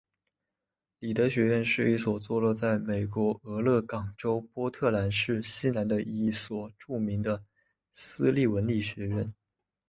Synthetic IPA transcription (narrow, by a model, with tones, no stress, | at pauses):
li˨˩t̪ɤ˧˥ɕɥɛ˧˥ɻə˥˧nʂɻ̩˥˧i˥˩swɔ˨˩t͡swɔ˥˧lɔ˥˧t͡sa˥˩ɪme˨˩ɪkwɔ˧˥ɤ˧˥lɤ˥˩kɑ˨˩ŋʈ͡ʂo˥ʊpwɔ˥t̪ʰɤ˥˩la˧˥nʂɻ̩˥˩ɕi˥na˧˥nd̪ə˧ʔi˥˩i˥˩swɔ˨˩ʈ͡ʂu˥˩mi˧˥ŋd̪ə˧ | sɹ̩˥li˥˩wə˧˥nli˥˩ɕɥɛ˧˥ɻə˥˩n